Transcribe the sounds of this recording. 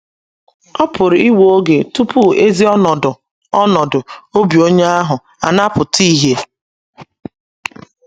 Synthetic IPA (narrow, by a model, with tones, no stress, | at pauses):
ɔ˦pʰʊ˨ɾʊ˨i˦wo˦o˦ɡe˨tu˦pʰu˦e˦zi˦ɔ˦nɔ˨dʊ˨ | ɔ˦nɔ˨dʊ˨o˦bi˨o˦ɲe˦a˦ɦʊ˨ | a̰˨na˦pʊ˨ti˦ɦe˦